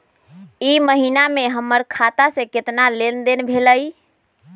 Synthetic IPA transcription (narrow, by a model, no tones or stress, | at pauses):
iməɦinameɦəmːəɾkʰat̪asẽket̪nalend̪enbʱeləj